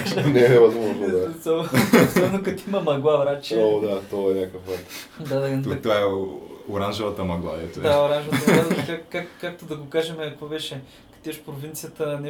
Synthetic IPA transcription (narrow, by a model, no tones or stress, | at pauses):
ʃnɛɛmɐd̪umɐvoasɔsɔbnʊkɐt̪imɐmɐɡlˠavɾat͡ʃɛod̪at̪ɔɐnʲakəfat̪d̪ad̪ɐt̪vaɛoɾanʒɐvɐt̪ɐmɐɡlˠa̰ɛ̰t̪oɛaoɾanʒɐvɐət̪lkakːakkːakt̪ʊd̪ɐɡʊkaʒɛmɛɐkvobɛʃɛ | kɐ̥t̪iɐʃpɾovint̪sijət̪ənɛ